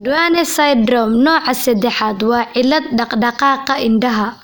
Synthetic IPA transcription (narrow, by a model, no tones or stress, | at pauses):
d̪waːnɛsɐjd̪ɾɔmnɔːʕɑsɐd̪ɛħaːd̪wɑːʕɪlːɐd̪̚ɖɑqɖɑqɑːqɐɪnɖɐɦɐ